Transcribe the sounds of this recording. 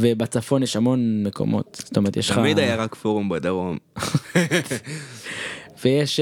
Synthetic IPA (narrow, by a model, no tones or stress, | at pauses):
vebat͡safo̞njeʃamo̞nmeko̞̰mo̞̰t̪st̪omeʁet̪jeʃχamid̪ajaʁakfoʁumbad̪aʁom | vejeʃ